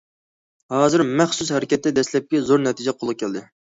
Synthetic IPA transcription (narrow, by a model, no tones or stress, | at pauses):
hɑːzɨɾmæχsus̬hɛɾɪkʲɛt̪ːɛd̪ɛslɛp̚kʲɛzoɾnɛt̪ʰid͡ʒɛqʰolˠɨq̚kʲʰɛld̪ɪ